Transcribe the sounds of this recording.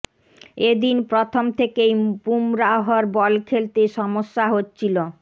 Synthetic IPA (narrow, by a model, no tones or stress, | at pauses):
ed̪inpɾot̪ʰomt̪ʰekejpumɾaɦoɾbɔlkʰelt̪eʃɔmoʃːaɦotːt͡ɕʰilo